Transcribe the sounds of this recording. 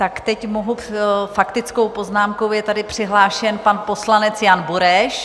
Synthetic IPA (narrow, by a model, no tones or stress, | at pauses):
t̪akt̪ɛcmoɦufakt̪ɪt͡sko̞wpo̞znaːmkowjɛt̪adɪpr̥ɪɦlaːʃɛnpanpo̞slanɛt͡sjanbuɾɛʃ